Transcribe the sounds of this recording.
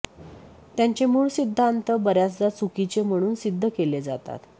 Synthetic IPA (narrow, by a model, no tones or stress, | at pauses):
t̪jaɲt͡ɕemuːɭsid̪ʱːant̪əbəɾjat͡sd͡z̪at͡sukit͡ɕem̤əɽ̃uːnsid̪ʱːəkeled͡zat̪a̰t̪